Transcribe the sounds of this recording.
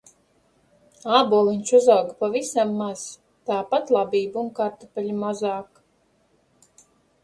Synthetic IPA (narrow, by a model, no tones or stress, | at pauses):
aːbuɔlˠinʲt͡ʃuzawɡpavisamːaz̥ | t̪aːpat̪lˠabiːbuŋkaɾt̪apʲɛlʲimazaːk